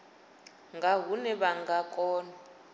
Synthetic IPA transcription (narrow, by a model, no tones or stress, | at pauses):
ŋɡaɦunɛβaŋɡakʼɔːna